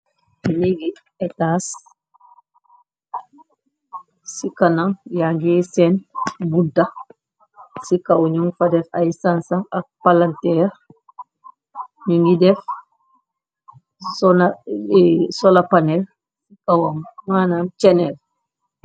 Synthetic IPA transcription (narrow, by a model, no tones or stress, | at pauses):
niɡi | ɛtaːs | sikanaŋjaŋɡisɛnbuda | sikawɲuŋɡfadɛfaisansaak̚palantɛːɾ | ɲuŋɡidɛf | sɔna | sɔlapanɛl | sikawammaːnamt͡ʃɛnɛl